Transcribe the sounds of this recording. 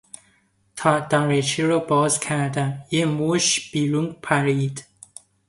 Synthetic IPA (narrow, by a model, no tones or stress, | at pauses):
t̪ʰɑːd̪̥ɑɾet͡ʃʰiɾɔbɒːzkʲʰæɾd̪æmjemuʃb̥iːɾuŋɡpʰæɾiːd̪